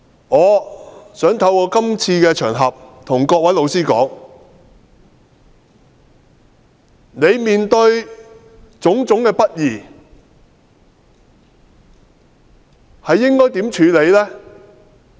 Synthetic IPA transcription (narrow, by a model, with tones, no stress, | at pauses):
ŋɔː˨˧sœː˨˥ŋt̪ʰɐ˧wkɔː˧kɐ˥mt͡sʰiː˧kɛː˧t͡ʃʰœː˨˩ŋɦɐ˨p̚t̪ʰʊ˨˩ŋkɔː˧k̚wɐ˨˥jlo˧wsiː˥kɔ̰ː˨˥ŋ | ne˨˧jmiː˨nt̪ɵ˧ɥ | t͡sʊ˨˥ŋt͡sʊ˨˥ŋkɛː˧pɐ˥t̚jiː˨˩ | hɐ˨jːɪ˥ŋkɔː˥jt̪i˨˥mt͡ʃʰyː˨˧le˨˧jlɛː˥